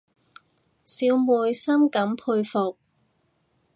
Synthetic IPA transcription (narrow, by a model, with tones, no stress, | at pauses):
siː˨˧wmuː˨˧jsɐ˥mkɐ˨˥mpʰuː˧jfʊ˨k̚